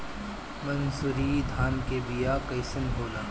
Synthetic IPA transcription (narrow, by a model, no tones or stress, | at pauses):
mɐnsʊɾid̪ʱaːnkebijaːkɐjsənbʱoːlaː